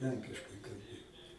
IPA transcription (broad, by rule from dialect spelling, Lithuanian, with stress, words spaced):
ˈlʲɛŋʲkʲɪʃkɐɪ kɐlʲˈbʲeːjoː